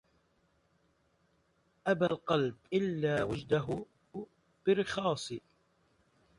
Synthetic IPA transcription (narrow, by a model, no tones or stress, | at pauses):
ʔabalqɑlb̚ʔɪlːaːwad͡ʒd̪aɦʊ | b̥ɪɾɪxɑːsˤ